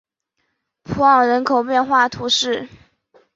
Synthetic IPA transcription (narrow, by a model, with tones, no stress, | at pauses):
pʰu˧˥ɑ˨˩ŋɻə˧˥nkʰo˨˩ʊpjɛ˥˧nxwa˥˩t̪ʰu˧˥ʂɻ̩˥˩